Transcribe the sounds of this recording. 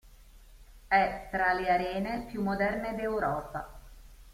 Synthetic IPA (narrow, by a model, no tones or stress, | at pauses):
ɛt̪ɾaleaɾɛːnepjumːod̪ɛrned̪ewɾɔːpa̰